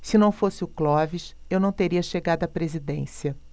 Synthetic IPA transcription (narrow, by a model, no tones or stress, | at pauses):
sɪnɐ̃w̃fosɪʊklɔviʃewnɐ̃w̃t̪eɾiɐʃeɡad̪ʊɐpɾezid̪ẽsiɐ